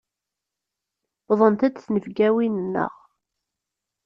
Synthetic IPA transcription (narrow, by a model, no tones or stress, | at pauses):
ðˤənt̪æd̪θnəvɡæwinnːə̰ʁ